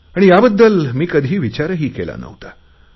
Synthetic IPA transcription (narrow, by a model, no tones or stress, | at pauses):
aɽ̃ijabəd̪ːəlmiːkəd̪ʱiːʋit͡ɕaɾəɦiːkela̰nə̰ʋt̪a